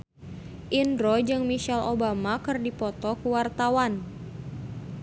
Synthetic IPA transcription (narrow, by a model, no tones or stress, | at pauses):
ʔindɾɔd͡ʒɨŋmiʃɛlobamakɨrdipɔt̪ɔkuwart̪awan